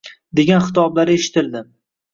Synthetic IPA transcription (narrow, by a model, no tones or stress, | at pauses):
d̪e̞ɡʲanχɪt̪ʰɒblaɾeʃɪ̥t̪ʰɪld̪ɪm